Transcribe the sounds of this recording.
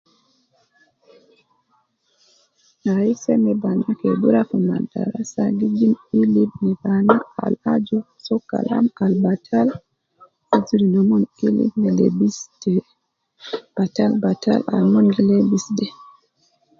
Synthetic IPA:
naisɛmɛbanakɛduɾafɔma̰da̰ɾasaɡid͡ʒimilib̚nibanaa̰lad͡ʒu | sɔkːa̰la̰malbatʰal | ad͡ʒuɾinɔmɔnilḭbnilḛbisdɛ | b̥atalbata̰la̰lmɔnɡilebisdɛ

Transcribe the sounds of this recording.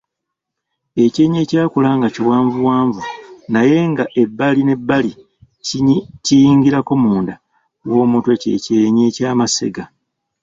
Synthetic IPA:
e̞ce̞ːɲe̞ːcaːkulaŋɡaciwaːɱvuwaːɱvunaje̞ŋɡaʔe̞bːaline̞bːali | cijiːŋɡiɾako̞muːnda | wo̞ːmutwe̞ce̞̰ːceɲe̞caːmase̞̰ɡa

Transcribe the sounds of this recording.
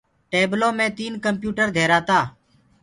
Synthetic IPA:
ʈeːbloːmẽːt̪iːnkəmpjuːʈəɾd̪ʱeːɾaːt̪aː

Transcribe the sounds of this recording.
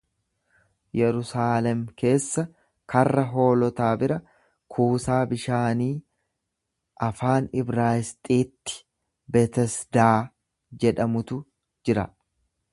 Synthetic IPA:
jɛɾʊsaːlɛmke̞ːsːɐ | kɐrːɐɦo̞ːlɔt̪aːbɪɾɐ | kʰuːsaːbɪʃaːniː | ʔɐfaːnɪbɾaːɪst̪ʼiːt̪ːɪ̥ | bɛt̪ɛsd̪aː | d͡ʒɛᶑɐmʊt̪ʊ | d͡ʒɪɾɐ

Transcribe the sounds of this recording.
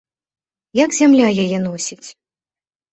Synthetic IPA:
jaɡzʲamlʲajajɛnɔsʲit͡sʲ

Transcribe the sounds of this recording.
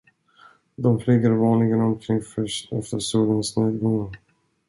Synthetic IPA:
d̪ɔmfliːɡaɾvɑːnlɪɡənɔmkʰɾɪŋːfœʂtɛft̪əɾʂuːlənsneːd̪ɡɔŋːəɾ

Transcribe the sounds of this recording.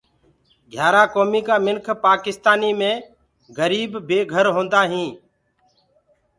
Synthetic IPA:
ɡʱjaːɾaːkoːmiːkaːmɪnkʰpaːkɪst̪aːniːmẽː | ɡəɾiːbːeːɡʱəɾɦõːnd̪aːɦĩː

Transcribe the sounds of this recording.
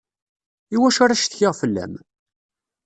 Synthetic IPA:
iwæʃaɾaʃθçɪʁfəlːæ̰m

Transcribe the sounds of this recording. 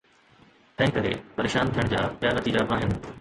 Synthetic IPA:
t̪ɐ̃ɦɪ̃kɐɾḛpɐɾeːʃaːnt̪ʰijəɽ̃d͡ʑaːpjaːnɐt̪iːd͡ʑaaːɦɪnɪ̆

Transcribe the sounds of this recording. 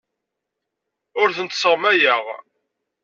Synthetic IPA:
ʊɾθənt̪səʁmæjəʁ

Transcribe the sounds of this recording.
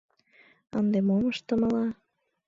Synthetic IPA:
ənd̪emoməʃt̪əmə̆lɑ

